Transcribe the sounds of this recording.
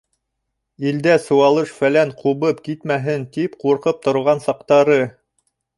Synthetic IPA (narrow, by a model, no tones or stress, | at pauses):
ild̪æsɤ̆wɑlˠɤʃfælæɴqʰuβɤpkit̪mæɦɘnt̪ipquɾqɤp̚t̪ŏɾʁɑnsɑq̚t̪ɑɾɤ